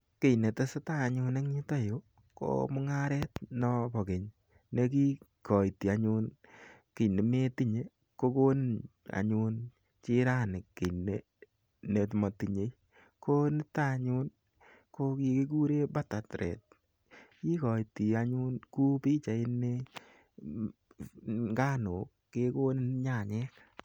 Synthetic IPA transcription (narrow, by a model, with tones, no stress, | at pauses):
ke˦˨jne˨ta˦se˦ta˦˨ɲʊ˧ne˦ŋɲi˦ta˦jo˦ | ko̰˦mʊ˦ŋa˦ɾɛ˦tnɔ˦˧pɔ˨ke˨ɲ | ne˦ki˦ | kɔ˨i˨ti˨a˨ɲu˦nkɪ˨ne˨me˦ti˦ɲe˨ | ko˦ko˦na̰˨ɲu˧n | t͡ʃi˦ɾa˦nɪ˨kːe˨ne˦ | ne˨tmɔ˨ti˨ɲe˦ | ko˦nɪ˦ta˦˨ɲʊ˦n | ko˦ki˧ki˦k̬u˦ɾe˦ba˦ta˨tɾʔɛ̰˨t̚ | ki˦kɔ˨iti˨a˦ɲʊ˦nku˦pi˦t͡ʃa˨ɪ˦ne˦ | ŋɡa˦nʊ˨kːe˦ko˦nɪ˦nɲa˦˨ɲɛː˦k